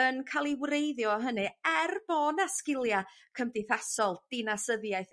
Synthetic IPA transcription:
ənkʰalˠiwrejðjɔɦənɨɛrb̥ɔnaskɪlˠja | kʰəmdɪθasɔlˠd̥ɪnasəðjajθ

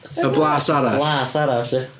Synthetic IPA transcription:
əblˠaːsaɾablˠaːsaɾaɬɪ

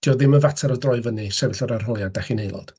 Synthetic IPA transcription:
d̥iːɔðɪməvatʰaɾədrɔɨvənisɛvɪɬɔɾar̥ɦɔjadaχinejlˠɔ̰d̥

